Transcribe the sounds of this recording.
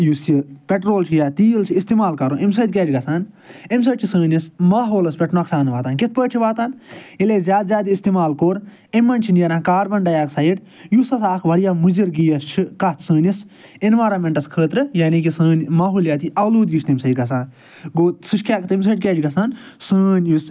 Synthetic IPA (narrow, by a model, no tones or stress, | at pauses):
jusipʲeʈɾoːlt͡ʃʰijaːt̪iːlt͡ʃʰiist̪imaːlkɐɾõːʔems̬ɐːd̪̚ʲkʲɛːt͡ʃɡɐsaːn | ems̬ɐːʈt͡ʃʰisəːnʲismaːɦoːlɐspʲɛʈnɐksaːnʋaːt̪aːnkɪt̪̚ʰpəːʈt͡ʃʰiʋaːt̪aːnileːzʲjaːd̪zʲjaːd̪ist̪imaːlkoːɾ | emːɐnʲt͡ʃʰinjɐɾãːnkaːɾbɐɳɖɐjaːksɐiʈ | jusɐsaːkʰʋɐɽijaːmuziɾɡijɐʃʰɨkɐt̪ʰsəːnʲis | inʋaːɾɐmeɳʈɐskʰəːt̪ɾɨjaːnikisəːnʲmaːɦuːljaːt̪iʔɐluːd̪jiʃt̪imsɐjd̪ɡɐs̬aːn | ɡoːsɨʃkʰʲaːkt̪ims̬ɐːʈ̪ʲkʲeːt͡ʃɡɐsaːnsəːnʲjus